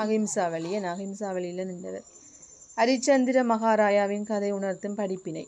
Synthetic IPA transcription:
aɣɪmsaːʋɐɭɪjɐnaɣɪmsaːʋɐɭɪlːɐnɪndɐ̰ʋɐ̰ɾ | ɐɾɪt͡ʃːɐnd̪ɪɾɐmɐɣaːɾaːjaːʋɪnkɐðɐɪʊɳɐɾt̪ɯmpɐɽɪpːɪnɐ̰ɪ

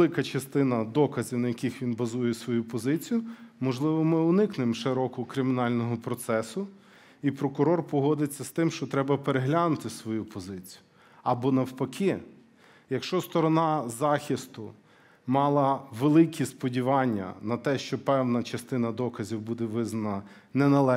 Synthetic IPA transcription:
lˠɪkɐt͡ʃɐst̪ɪnɐd̪ɔkɐzʲiwnɐjɐkʲixʋʲinbɐzujɛsʋɔjupɔzɪt͡sʲijʊmɔʒlˠɪʋɔmɪʊnɪknɪmʃɪɾɔkʊkɾɪmʲɪnɑlʲnɔɦɔpɾɔt̪sɛsʊ | ipɾɔkʊɾɔrpɔɦɔd̪ɪt͡sʲːɐst̪ɪmʃt͡ʃɔt̪ɾɛbɐpeɾeɦlʲanʊt̪ɪsʋɔjupɔzɪt͡sʲi̥jʊ | ɐbɔnɐwpɐkʲʰi | jɐkʃt͡ʃɔst̪ɔɾɔnɑzɑxʲist̪ʊ | mɑlˠɐʋelˠɪkʲʰispɔdʲiʋɑnʲːɐ̰nɐt̪ɛʃt͡ʃɔpɛwnɐt͡ʃɐst̪ɪnɐd̪ɔkɐzʲiwbud̪ɛʋɪznɐnɐ | nɛnɐlˠɛ

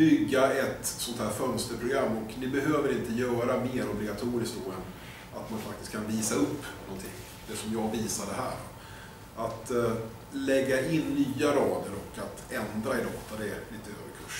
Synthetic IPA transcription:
bʏɡːaɛt̪sɔnt̪ʰhæːɾfœnst̪əɾpʰɾʊɡɾamːɔknɪbɛɦøːvəɾɪnt̪əjœːɾameːɾɔblɪɡat̪ʰuːɾɪskt̚d̪oːɛn | at̪manfak̚t̪ɪ̥st̪k̚kʰːanviːsaɵpːnɔnt̪ʰɪŋː | d̪̥ɛsɔmjɑːɡviːsaɖɛɦæ̰ːɖɔ | at̪ | lɛɡːaʔɪnːyːaɾɑːd̪əɾɔkat̪ɛnd̪ɾaɪd̪ɔt̪ʰːad̪ɛliːt̪əøːvəkʰɵʂ

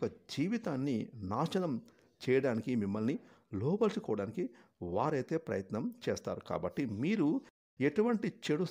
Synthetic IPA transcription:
kɐd͡ʒiːʋit̪aːnːinaːʂɐnɐm | t͡ʃɛːjɐɽaːnikimimːɐlnilɔːbɐlsukɔːʋɐɽaːnikiʋaːɾɐjt̪e̞ːpɾɐ̰jɐt̪nɐmt͡ʃɛːst̪a̰ːɾuka̰ːbɐʈːimiːɾu | eʈuʋɐɳʈit͡ʃeɽu

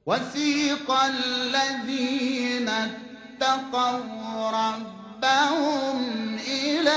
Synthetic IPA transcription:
wasiːqɑlːaðiːna | t̪ːaqɑwɾˤɑbːahʊmʔɪla

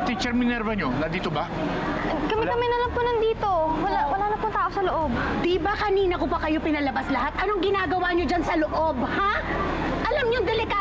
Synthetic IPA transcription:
t̪it͡ʃɛɾmɪnɛɾvɐɲonɐd̪iːt̪obɐ | kɐmɪjkɐmɐjnɐlɐŋpʊnɐŋd̪iːt̪owɐawɐlaːnɐpʊŋt̪aːʔosɐloʔob̚d̪ibɐkɐniːnɐkobɐkɐjo̞pɪnɐlɐbaslɐɦat̪̚ʔɐnoŋɡɪnaːɡɐwaɲod͡ʒansɐloʔo̞bha | ʔɐlamɲoŋd̪ɛlɪka

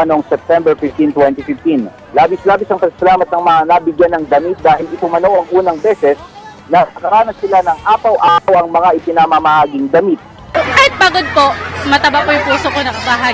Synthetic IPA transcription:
noŋsɛp̚t̪ɛmbɛɹfɪft̪int̪wɛnt̪ifɪft̪in | laːbɪslaːbɪsɐŋpɐkɐ̥sɐlaːmɐt̪̚nɐŋmɐŋanɐbɪɡjanːɐŋd̪ɐmit̪̚d̪aːhɪlɪpʊmɐnowʔɐŋʔuːnɐŋbɛːsɛs | nɐnɐkɐɾaːnɐsɪlanɐŋʔaːpɐwʔaːpɐwʔɐŋmɐŋaʔɪpɪnɐmamɐhaːɡɪŋd̪ɐmit̪̚ | kaːhɪt̪̚baːɡod̪̚po̞mɐt̪ɐbɐkojʊŋpuːsokonɐkɐbaɦa

